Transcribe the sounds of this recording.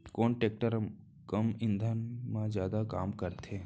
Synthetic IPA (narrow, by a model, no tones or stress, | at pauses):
koːnʈeːk̚ʈəɾ | kəmɪ̃nd̪ʱənmãzjaːd̪akaːmkəɾt̪ʰeː